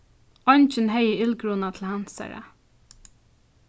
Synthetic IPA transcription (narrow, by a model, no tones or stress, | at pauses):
ɔnt͡ʃɪnɦɛjəɪlkɾuːnat̪ʰɪl̩hansa̰ɹa̰